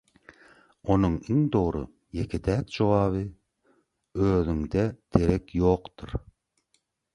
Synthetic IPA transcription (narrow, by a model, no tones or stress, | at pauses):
onuŋiŋd̪oɾṵ | jekʲʰed̪ʰæːt̪̚d͡ʒowɑːβɯ | øːðyŋd̪ɛd̪̥ʰeɾekʲjoqt̪uɾ